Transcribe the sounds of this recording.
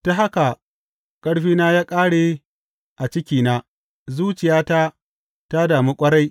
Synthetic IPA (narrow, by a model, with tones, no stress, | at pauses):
ta˦ɦa˦ka˨ | kʼɐ˦ɽɸiː˦naː˦jaː˦kʼaː˦ɽe˨ | ʔa˨t͡ʃɪ˦kʲiː˨naː˦ | zuː˦t͡ʃɪ˨jaː˦ta˦ | ta˦daː˨miː˦kʷʼɐ˦ɽa˦j